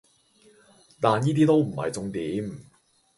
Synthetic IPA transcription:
t̪aː˨njiː˥t̪iː˥t̪o˥wm̩˨˩hɐ̰˨jt͡sʊ˧ŋt̪iː˨˥m

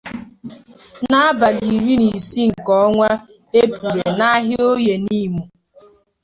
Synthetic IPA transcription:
na˦a˦ba˨li˨ɾi˦ni˨si˦ŋ̩˨kɔ˨˦ŋʷa˦ | e˦pu˨ɾe˨na˦ɦɪ˦o˦je˨ni˦˨mu˨

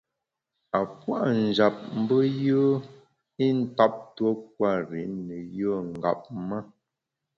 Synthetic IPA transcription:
a˨pwa̰˦˨ʔn̩˨d͡ʒa˨p̚m̩˦bə˦jəː˦ | i˦n̩˦ta˦p̚two˦k̚wa˦˨ɾi˨˦nə˨jə˦˨ŋ̩˨ɡa̰˨p̚mə˦˨

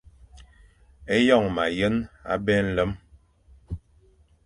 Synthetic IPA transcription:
e˦jɔ˦˨ŋma˨jə˦na̰˦bɛ˦n̩˦lə˦m

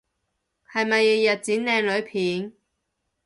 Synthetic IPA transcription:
hɐ˨jmɐ˨jːi˨˧jɐ˨t̚t͡siː˨˥nlɛː˧ŋlɵ˨˧˥ɥpʰiː˨˥n

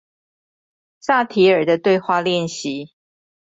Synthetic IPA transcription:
sa˥˧t̪ʰi˨˦ə˞˨˩d̪ə˩˦t̪we˥˧ɪxwa˥˧ljɛ˥˨nɕi˨˦

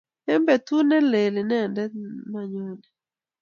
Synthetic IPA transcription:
ɛ˦mbɛ˨t̪u˦nɛ˦le˨lɪ˨nɛ˦˨ndɛ˦ma˦˨ɲo˦nɛ˨

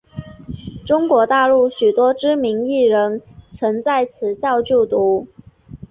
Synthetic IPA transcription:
ʈ͡ʂʊ˥ŋkwɔ˧˥t̪a˥˧lu˥˩ɕy˨˩t̪wɔ˥ʈ͡ʂɻ̩˥mi˧˥ŋi˥˩ɻə˧˥nt͡sʰɤ˧˥ŋt͡sa˥˩ɪt͡sʰɹ̩˨˩ɕjɑ˥˧ʊt͡ɕu˥˩t̪u˧˥

